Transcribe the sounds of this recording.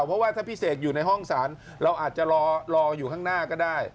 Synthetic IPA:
wpʰɔ˦˥waː˥t̪ʰaː˥˩pʰiː˦˥˩seː˨˩k̪̚juː˨˩na˧jɦɔ˥˩ŋsaː˩˦n | ɾa˧wʔaː˨˩t̪̚t͡ɕa˨˩lɔː˧lɔː˧juː˨˩kʰaː˥˩ŋnaː˥˩kɔː˥˩daː˥˩j

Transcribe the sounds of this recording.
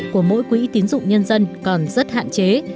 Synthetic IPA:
ku˧˩əmo̰˧˥jkwḭ˧˥t̪i˨˦ənzʊ̰˧˨ŋ͡mɲə˧nzə˧nkɔ˨˩nzə˦˥t̚ha̰ː˧˨nt͡ɕe˨˦

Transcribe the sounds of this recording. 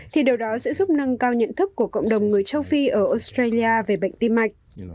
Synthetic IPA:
t̪ʰi˨˩ɗi˨˩əwɗɔ˨˦sɛ̰˧˥zʊ˦˥p̚nə˧ŋkaː˧wɲə̰˧˨nt̪ʰɨ˦˥k̚kːu˧˩əkə̰˧˨wŋ͡mɗə˨˩wŋ͡mŋɨ˨˩əjt͡ɕə˧wfi˧ʔəː˧˩ʔo˧˦˥st̪ɾe˧li˧aː˧ve˨˩ɓa̰˧˨jŋ̟t̪i˧mːa˨˩jk̟̚

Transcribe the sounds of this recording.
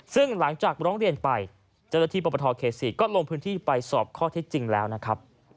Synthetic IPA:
sɯ˥˩ŋla˩˦ŋt͡ɕaː˨˩k̚ɾɔː˦˥ŋɾi˧ənpa˧j | t͡ɕa˥˩wnaː˥t̪ʰiː˥˩pɔ˨˩pːa˧t̪ʰɔː˧kʰeː˨˩siː˨˩kɔː˥˩lo˧ŋpʰɯː˦˥nt̪ʰiː˥˩pa˧jsɔː˨˩p̚kʰɔː˥˩t̪ʰe˦˥t̪̚t͡ɕi˧ŋlɛː˦˥wna˦˥kʰɾa˦˥p̚

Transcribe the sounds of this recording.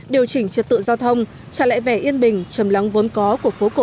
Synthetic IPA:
ɗi˨˩əwt͡ɕï˧˩ŋ̟t͡ɕɨ˨˩t̚t̪ɨ̰˧˨zaː˧wt̪ʰə˧wŋ͡m | t͡ɕaː˧˩la̰ː˧˨jvɛ˧˩ʔi˧ənɓï˨˩ŋ̟t͡ɕə˨˩mla˨˦wŋ͡mvo˨˦nkɔ˨˦ku˧˩ək̚fo˨˦ko˧˩

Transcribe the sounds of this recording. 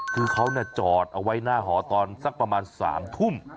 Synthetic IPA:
kʰɯː˧kʰa˦˥wni˥˩ɐt͡ɕɔː˨˩t̪̚ʔa˧wa˦˥jnaː˥˩ɦɔː˩˦t̪ɔː˧nsa˧˥˩k̚pɾa˧maː˧nsa̰ː˩˦mt̪ʰu˥˩m

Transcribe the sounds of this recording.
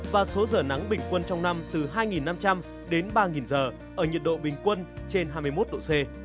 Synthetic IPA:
vaː˨˩so˨˦zəː˨˩na˨˦ŋɓï˨˩ŋ̟kwə˧nt͡ɕɔ˧wŋ͡mna˧mt̪ɨ˨˩ɦaː˧jŋi˨˩nːa˧mt͡ɕa˧m | ɗe˨˦nɓaː˧ŋi˨˩nzəː˨˩ | ʔəː˧˩ɲi˨˩ət̚ɗo̰˧˨ɓï˨˩ŋ̟kwə˧nt͡ɕe˧nhɦaː˧jmɨ˧jmo˦˥t̚ɗo̰˧˨se˧

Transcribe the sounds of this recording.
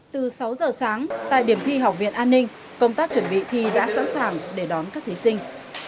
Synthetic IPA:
t̪ɨ˨˩sa˨˦wzəː˨˩saː˨˦ŋt̪a̰ː˧˨jɗi˧˩əmt̪ʰi˧ɦa˨˩wk͡p̚vḭ˧˨ənʔaː˧nːï˧ŋ̟ | kə˧wŋ͡mt̪aː˦˥k̚t͡ɕwə˧˩nɓḭ˧˨t̪ʰi˧ɗa̰ː˧˥sa̰˧˥nsaː˨˩ŋɗe˧˩ɗɔ˨˦nkaː˦˥k̚t̪ʰi˨˦sï˧ŋ̟

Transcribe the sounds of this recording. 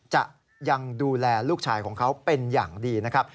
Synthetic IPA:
t͡ɕa̰˨˩ʔ | ja˧ŋduː˧lɛː˧luː˥˩k̚t͡ɕʰaː˧jkʰɔː˩˦ŋkʰa˦˥wpe˧njaː˨˩ŋdiː˧na˦˥kʰɾa˦˥p̚

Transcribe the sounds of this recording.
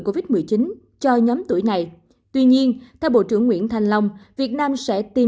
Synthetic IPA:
ko˧vi˦˥t̚mɨ˨˩əjt͡ɕi˨˦n | t͡ɕɔ˧ɲɔ˨˦mt̪u˧˩əjna˨˩j | t̪wi˧ɲi˧ənt̪ʰɛ˧wɓo̰˧˨t͡ɕɨ̰˧˩əŋːwḭ˧˥ənt̪ʰa˨˩jŋ̟lə˧wŋ͡mvi˨˩ət̚naː˧msɛ̰˧˥t̪i˨˩

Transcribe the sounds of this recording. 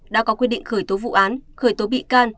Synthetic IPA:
ɗa̰ː˧˥kɔ˨˦kwi˧ɗḭ˧˨ŋ̟xəː˧˩jt̪o˨˦vṵ˧˨ʔaː˨˦nxəː˧˩jt̪o˨˦ɓḭ˧˨kaː˧n

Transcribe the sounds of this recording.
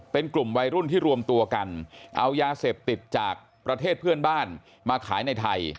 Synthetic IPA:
pe˧nklu˨˩mwa˧jɾu˥˩nt̪ʰiː˥˩ɾu˧əmt̪u˧ɐka˧nʔa˧wjaː˧seː˨˩p̚t̪i˨˩t̪̚t͡ɕaː˨˩k̚ | pɾa˧t̪ʰeː˥˩t̪̚pʰɯ˥˩ənbaː˥˩n | maː˧kʰaː˩˦jna˧jt̪ʰa˧j

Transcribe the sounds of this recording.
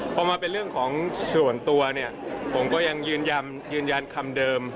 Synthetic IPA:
pʰɔː˧maː˧pe˧nɾɯ˥˩əŋkʰɔː˩˦ŋsu˨˩ənt̪u˧ɐni˥˩ɐpʰo˩˦mkɔː˥˩ja˧ŋjɯː˧nja˧n | jɯː˧nja˧nkʰa˧mdɤː˧m

